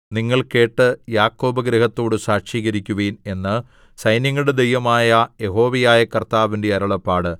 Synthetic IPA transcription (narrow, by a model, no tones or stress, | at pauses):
niŋːɐɭke̞ːʈːɨjaːkːo̞ːbɐɡɾeɦɐt̪ːo̞ːɽɨsaːkʂiːɣɐɾikʲːuʋeːne̞nːɨ | sɐjnjɐŋːɐɭɽed̪ejʋɐmaːjɐje̞ɦo̞ːʋijaːjɐkɐrt̪aːʋinde̞ɐɾɐɭɐpːaːɽɨ